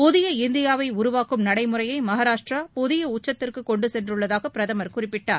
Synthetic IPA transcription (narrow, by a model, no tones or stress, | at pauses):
pɔðɪjɐɪnd̪ɪjaːʋɐɪʊɾʊʋaːkɯmnɐɽɐɪmɯrɐjɐɪmɐɦaːɾaːʂʈrapɔðɪjɐʊt͡ʃːɐt̪ːɪrkɯkɔɳɖɯsɛndrɯɭːɐðaːɣɐpɪɾɐðɐmɐɾkʊrɪpːɪʈːaːɾ